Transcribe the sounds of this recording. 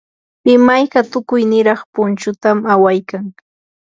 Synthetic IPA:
pɪmajkat̪ʊkʊjnɪɾɑχpʊnt͡ʃʊt̪amawajkaŋ

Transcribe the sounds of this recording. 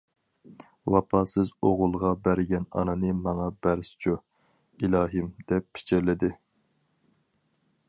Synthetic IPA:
wɑpʰɑsɨzoʁʊlˠʁɑbæɾɪɡʲɛnɑ̰nɨnɨmɑŋɑbæɾsɪ̥t͡ʃʰu | ilɑːɦɨmd̪̥ɛpːʰi̥t͡ʃʰɪɾlɪd̪ɪ

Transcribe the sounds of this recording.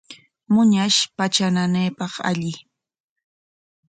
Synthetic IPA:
mʊɲaʃpat͡ʃananejpɑχa̰ʎɪ

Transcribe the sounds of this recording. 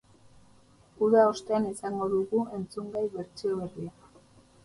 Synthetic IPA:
uðao̞st̪e̞anisaŋɡo̞ðuɣue̞nt͡suŋɡajβe̞ɾt͡sio̞βe̞ria

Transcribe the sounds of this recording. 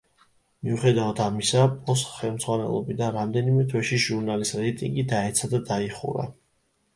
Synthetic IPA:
miuχɛd̪avad̪ʰamisapʼɔsχɛlˠmd̪z̥ʁwanɛ̰lˠɔ̰bid̪anɾamd̪ɛnimɛt̪ʰwɛʃiʒuɾnalisɾɛjt̪ʼiŋɡid̪aɛt̪sʰad̪ad̪aiχṵɾa̰

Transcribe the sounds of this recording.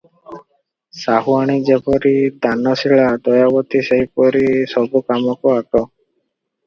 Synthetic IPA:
saɦuaɽ̃id͡ʒepɔɾid̪anɔsiɭad̪ɔjabɔt̪iseɦipɔɾisɔbukamɔkɔaʈɔ

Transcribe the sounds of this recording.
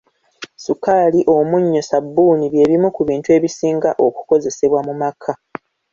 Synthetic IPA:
sukaːliʔo̞muɲːo̞sabːuːniβje̞ːβimukuβiːntue̞ːβisiːŋɡaʔo̞ku̥ko̞ze̞se̞βwamumakʰa

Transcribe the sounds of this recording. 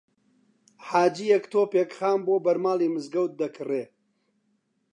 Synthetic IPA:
ħaːd͡ʒiːjɐkt̪ʰoːpeːkxaːmboːbɐɾmaːliːmɨzɡɐwt̪̚d̪ɐkʰɨreː

